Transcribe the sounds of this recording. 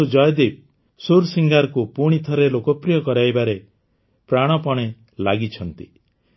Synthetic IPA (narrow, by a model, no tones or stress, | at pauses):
ud͡ʒɔjd̪ib̚ | suɾsiŋɡaɾɔkupuɽ̃it̪ʰɔɾelokɔpɾijɔkɔɾajbaɾe | pɾaɽ̃ɔpɔɽ̃e | laɡit͡ʃʰɔnt̪i